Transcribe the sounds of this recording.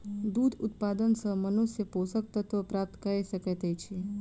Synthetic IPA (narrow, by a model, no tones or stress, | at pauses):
d̪ud̪ʊt̪̚pad̪ənsəmənusjəposək̚t̪ət̪ʋəpɾap̚t̪kəesəket̪et͡ʃʰe